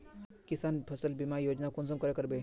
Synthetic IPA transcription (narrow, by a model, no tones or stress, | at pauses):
kisanpʰəsəlbimajod͡ʒnakunsəmkəɾekəɾbe